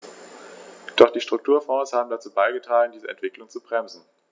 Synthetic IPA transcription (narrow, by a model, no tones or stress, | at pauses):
d̥ɔχd̥iːʃtʁ̥ʊk̚tʰuːɐfɔ̃ːshaːbm̩dat͡suːbaɪɡətʁaːləndiːzəʔɛ̰ntv̥ɪklʊŋt͡subʁɛmzn̩